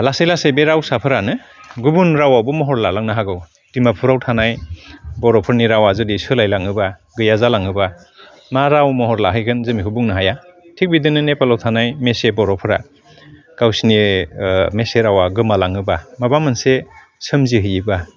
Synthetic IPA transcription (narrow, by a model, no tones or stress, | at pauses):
lasejlasebeɾawsapʰɯɾanɯ | ɡubunɾawabumɔɦɔɾlalaŋnaɦaɡɯw | timapʰuɾawtʰanajbɔɾɔpʰɯɾniɾawazɯdisɯlajlaŋɯbaɡɯjazalaŋɯba | maɾawmɔɦɔɾlaɦɯjɡɯnzɯmikʰubuŋnɯɦajatʰik̚bidɯnɯnepalawtʰanajmesebɔɾɔpʰɯɾa̰ | ɡ̥awsini | meseɾawaɡɯmalaŋɯbamabamɯnse | sɯmziɦɯjiba